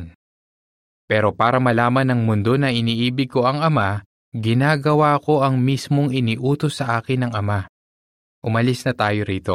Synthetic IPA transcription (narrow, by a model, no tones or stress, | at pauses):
n | pɛːɾo̞paːɾɐmɐlaːmɐnːɐŋmʊnd̪o̞nɐʔɪniːʔiːbɪɡ̚ko̞ɐŋɐma | ɡɪnaːɡɐwaːko̞ʔɐŋmismo̞ŋɪniːʔuːt̪o̞sːɐʔaːkɪnːɐŋʔɐma | ʔʊmɐlisnɐt̪aːjo̞ɾiːt̪o̞